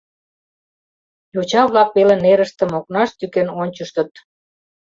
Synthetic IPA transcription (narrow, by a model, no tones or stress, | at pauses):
jot͡ɕɑβlɑk̚peleneɾəʃt̪ĕmok̚nɑʃt̪ykenonʲt͡ɕəʃt̪ə̆t̪